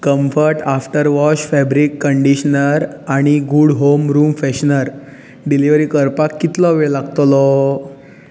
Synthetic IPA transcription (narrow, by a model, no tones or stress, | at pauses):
kəmfəɾʈafʈəɾʋɔɕfɛbɾikːəɳɖiɕnəɾaɽ̃iɡuɽɦomɾuːmfɛɕnəɾ | ɖiliʋəɾiːkəɾpakːit̪lɔʋeɭlaɡt̪lɔ